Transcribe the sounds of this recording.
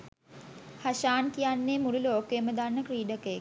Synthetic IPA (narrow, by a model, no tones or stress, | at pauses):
haʃaːnkijanːeːmululoːkeməd̪anːəkriːɖəkəjek